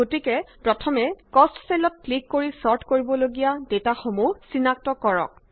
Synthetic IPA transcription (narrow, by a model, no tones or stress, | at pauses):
ɡotikɛpɹɔtʰɔmɛkɔstselɔt̚klikːoɹisɔɹtʰkoɹibɔloɡijadetaxomusinak̚tɔkɔɹɔ̰k̚